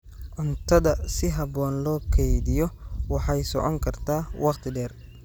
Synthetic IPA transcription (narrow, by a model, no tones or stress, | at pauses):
ʔʊnt̪ʰɐðɐsɪɦɐbɔːnlɔːkʰɛjðɪjɔwɑħɑjsɔ̰ʕɔŋkʰɐrt̪ʰaːwɑqt̪ʰɪɖɛːr